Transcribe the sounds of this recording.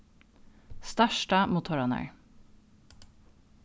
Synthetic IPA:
st̪æʃʈɑmuːt̪ʰhɔɹɑnœ̰ɹ

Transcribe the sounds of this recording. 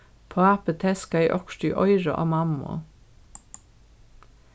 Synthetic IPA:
pʰoːæpət̪ʰɛskɑiːʔɔkʃʈyːʔɔʏɹɑ̰ʔɑ̰ːmɑmʊ̰

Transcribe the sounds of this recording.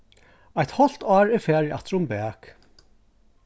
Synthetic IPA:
ajt̪hɔl̥t̪ɑːɹɛɾfɛːɹia̰t̪ɾʊmbɛːk

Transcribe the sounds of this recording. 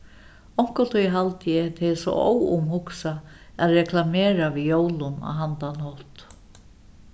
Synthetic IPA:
ɔŋ̥kʊt̪ʰujɦalt̪ɪjɛt̪ʰɪsɔ̰ʔo̰wʊ̰mɦʊksa | æðɾɛkʰlameːɾaʋijoːwlʊna̰wɦant̪anhɔt̪

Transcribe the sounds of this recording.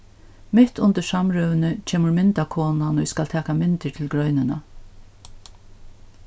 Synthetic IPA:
mɪt̪ʊnt̪əʂamɹœʋnət͡ʃʰeːməɹmɪnt̪akʰoːnanɔɪskalt̪ʰɛːkamɪnt̪əɹt̪ʰɪlɡɾœʏnɪna

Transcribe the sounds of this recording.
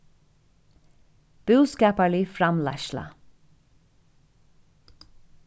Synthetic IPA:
b̥ʉːskɑːpaɭɪfɾamla̰ʃla̰

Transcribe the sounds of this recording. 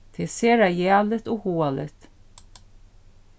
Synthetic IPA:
t̪ʰɪseːɾajæːlət̪ɔhoːalə̰t̪

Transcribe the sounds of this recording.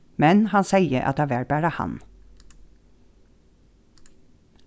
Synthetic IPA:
mɛnhɑnsæɪəʔɑ̰t̪̚æːʋæːɹbæːɾɑhɑ̰n

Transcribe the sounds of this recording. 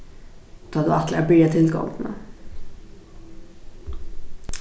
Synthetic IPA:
t̪ʰɑːd̪ɵat̪ʰlɪɡabɾeːɛt̪ʰɪlɡɔ̰ŋnɛ̰

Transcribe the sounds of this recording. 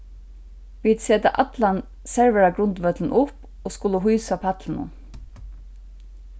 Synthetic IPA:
ʋiːd̪seːt̪a̰ʔat̪lan | sɛɹʋɛɹaɡɾʊnt̪ʋœt̪ln̩ʊp | oːskʊləɦujsapʰat̪lɪnʊ̰n

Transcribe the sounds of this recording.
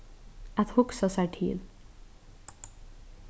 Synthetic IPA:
ɛt̪hʊksɑsæʈʰḭːl

